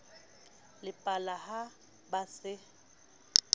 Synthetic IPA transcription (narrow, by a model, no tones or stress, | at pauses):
lɪpʼalaha | basɪ